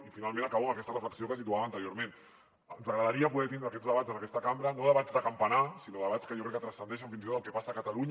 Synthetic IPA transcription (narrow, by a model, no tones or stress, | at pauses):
ifinalˠmẽnakaβoəmakɛst̪ərəfləksiokəsit̪uaβaːnt̪əɾjoɾmen | nzəɣɾəðaɾiapuðɛt̪ind̪ɾəːkɛzðəβazənakɛst̪əkambɾənoðəβad͡zd̪əkampanasinoðəβ̞at͡sskəjokɾɛkːət̪ɾəsənd̪ɛʃ̬əɱfinzit̪ot̪alˠkɛpasaːkət̪aluɲ